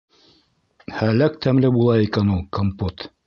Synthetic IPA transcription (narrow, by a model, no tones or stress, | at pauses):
hælæk̚t̪æmlɘbulˠɑikænulˠkompot̪